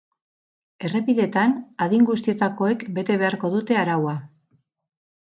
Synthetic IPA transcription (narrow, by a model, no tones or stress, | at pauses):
e̞re̞piðe̞t̪anaðiŋɡust̪ie̞t̪ako̞e̞kbe̞t̪e̞β̞e̞aɾko̞ðut̪e̞aɾawa